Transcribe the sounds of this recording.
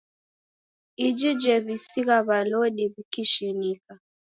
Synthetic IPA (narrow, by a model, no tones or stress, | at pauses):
id͡ʒid͡ʒɛβisiɣaβalɔɗiβikiʃinika